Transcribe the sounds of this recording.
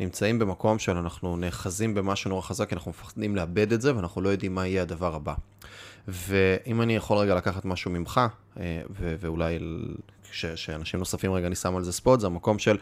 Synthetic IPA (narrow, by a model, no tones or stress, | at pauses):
nimt͡saimbe̞mako̞mʃe̞lanaχnune̞ːχazimbe̞maʃuno̞ʁaχazakanaχnumefḁχd̪imleabe̞d̪etze̞veanaχnulo̞jo̞d̪imːaijead̪avaʁaba | ve̞ʔimanijaχo̞lʁeɡalakaχat̪maʃumimχa | eveveulaj | ʃeʃeanaʃimno̞safimʁeɡanisamalzespot̪zeamako̞mʃe̞l